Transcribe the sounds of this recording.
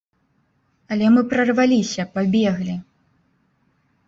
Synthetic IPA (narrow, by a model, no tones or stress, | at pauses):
ɐlʲɛmɨpɾɐrvalʲisʲɐpabʲɛɣlʲi